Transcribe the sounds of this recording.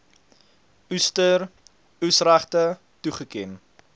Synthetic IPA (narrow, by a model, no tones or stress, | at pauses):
ustər | usræχtə | tuχəkɛn